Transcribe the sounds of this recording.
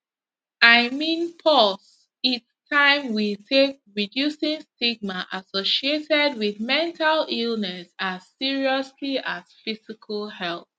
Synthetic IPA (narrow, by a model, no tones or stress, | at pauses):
aɪmĩnpʰɔs | itstʰãɪ̃mwitʰek̚ɹidjusĩŋstiɡ̚maʔasoʃietɛdwiðmɛ̃ntʰalilˠnɛsaz̥siɹiɔsliʔaz̥fizikʰalˠhɛlˠθ